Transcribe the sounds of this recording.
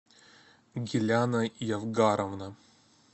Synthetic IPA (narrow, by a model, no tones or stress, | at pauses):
ɡʲilʲanajavɡaɾɐvna